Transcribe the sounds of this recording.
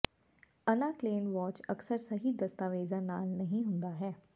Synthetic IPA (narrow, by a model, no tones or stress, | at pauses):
ənaːkleːnʋɔːt͡ʃəksəɾsɐɦid̪ɐst̪aːʋeːzãːna̰ːlnɐɦĩɦʊ̃nd̪aːɦɛː